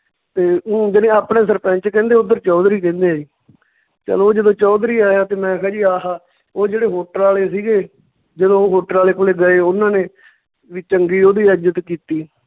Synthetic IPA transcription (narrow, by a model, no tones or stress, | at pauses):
t̪eːd͡ʒɪnẽːaːpnẽːsəɾpɛ̃ːnt͡ʃkɛ̃ːnd̪eːʊd̪əɾt͡ʃɔːd̪ɾiːkɛ̃ːnd̪eaːd͡ʒiː | t͡ʃə̰loːd͡ʒəd̪õːt͡ʃɔːd̪ɾiːaːjaːt̪eːmɛ̃ːkʰɛːd͡ʒiːaːɦaː | oːd͡ʒeːɽeːɦoːʈəɾaːleːsiːɡeː | d͡ʒəd̪õːoːɦoːʈəɾaːleːkʊleːɡəeːʊnãːneː | ʋit͡ʃəŋɡiːoːd̪iːəd͡ʒət̪kiːt̪iː